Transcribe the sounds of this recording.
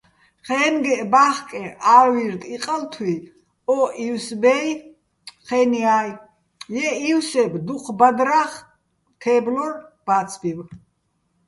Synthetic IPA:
χɛnɡɛʔbaχkʼɛʔawiɾd̪iqʼalt̪ʰwi | ɔʔiwsbɛj | χɛniaj | jɛiwsɛbd̪uqʰbad̪ɾaχ | t̪ʰɛblɔrb̥at̪t͡sʰbiw

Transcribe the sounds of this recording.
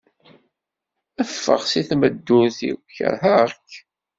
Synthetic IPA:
əfːə̰ʁsiθməd̪ːuθḭwçə̰ɾɦæʁk

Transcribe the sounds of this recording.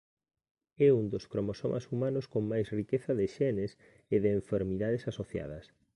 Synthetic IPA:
ɛund̪oskɾomoso̰mʔa̰sumanoskoŋmajsrikeθɐðɪʃɛnes | eðeːɱfeɾmiðaðesasoθja̰ð̞ɐs

